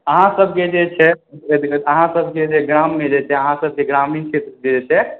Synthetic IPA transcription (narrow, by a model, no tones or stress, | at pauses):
əɦãsəb̚ʱked͡ʒet͡ʃʰɛ | əɦãsəbʱked͡ʒeɡɾamːed͡ʒet͡ʃʰɛəɦãsəb̚keɡɾamint͡ʃʰet̪ɾəked͡ʒet͡ʃʰɛ